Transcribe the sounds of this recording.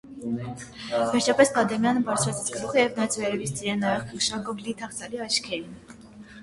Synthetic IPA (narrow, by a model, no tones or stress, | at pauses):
vɛɾt͡ʃʰɑpɛsbɑd̪ɛmjɑnəbɑɾt͡sʰɾɑt͡sʰit͡sʰkəluχəjɛvnɑt͡sʰvɛɾɛvist͡s̪iɾɛnɑjɛχkʰkə̥ʃɑɡɔvlit̪ʰɑχt͡sʰɑliɑt͡ʃʰkʰɛɾin